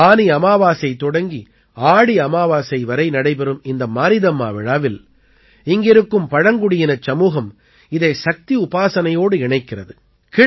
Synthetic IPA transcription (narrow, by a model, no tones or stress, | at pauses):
aːniɐmaːʋaːsɐɪt̪ːɔɽɐŋɡi | aːɽiɐmaːʋaːsɐɪʋɐɾɐɪnɐɽɐɪpɛɾɯmɪnd̪ɐmaːnɪðɐmːa̰ːʋɪɻaːʋɪl | ɪŋɡɪɾɯkːɯmpɐɻɐŋɡʊɽɪjɪnɐt͡ʃːɐmuːɣɐm | ɪðɐɪsɐk̚t̪iʊpaːsɐnɐjoːɽɯɪɳɐɪkːɪrɐðɯ | kɪ